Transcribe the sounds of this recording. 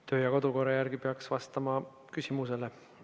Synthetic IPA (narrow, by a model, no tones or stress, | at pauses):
t̪ø̞ːjɑko̞d̪̥uko̞ɾɑjæɾɡipeɑksvɑst̪ɑmɑ | kysʲimuse̞le